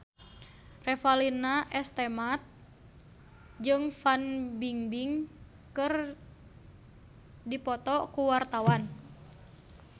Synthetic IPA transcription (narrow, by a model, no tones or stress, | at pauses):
rɛfalinaʔɛst̪ɛmat̪̚ | d͡ʒɨŋfanbiŋbiŋ | kɨr | dipɔt̪ɔkuwart̪awan